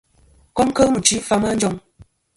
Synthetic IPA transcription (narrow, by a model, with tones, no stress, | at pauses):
ko˦mkə˦mə˨t͡ʃi˨˦fa˦ma˦n̩˦d͡ʒɔ˦˨ŋ